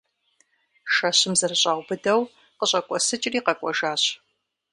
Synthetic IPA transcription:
ʃɐɕɪmzɐrɨɕʼaːʁʷbɨdɐw | qəɕʼɐkʷʼɔsɨt͡ʃʼɪriːqɐkʷʼɔʒaːɕ

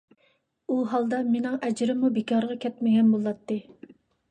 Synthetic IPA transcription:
uɦɑlˠd̪ɑmenɪŋʔɛd͡ʒɾɪmubekʰɑɾʁɑkʲʰɛt̪mɪɡʲɛnbolˠːɑt̪ːɨ

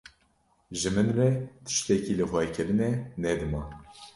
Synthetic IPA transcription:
ʒɨmɨnrɛt̪ʰɨ̥ʃt̪ɛkiːlɨxwɛkʰɨɾɨnɛnɛd̪ɨmɑ

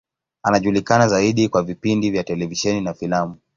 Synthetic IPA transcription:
anaʄulikanazaiɗikwavipindivjatɛlɛviʃɛninafilamu

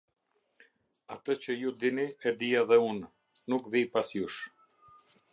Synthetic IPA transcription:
at̪ət͡ɕəjud̪iniɛd̪ijaðɛunː | ukvipasjuʃ

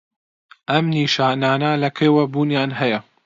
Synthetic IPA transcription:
ʔɐmniːʃaːnaːnɐlɐkʰewɐbuːnjaːnɦɐjɐ

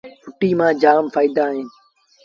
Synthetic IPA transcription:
pʰʊʈiːmãːd͡ʒaːmfaːid̪aːɦɪːn

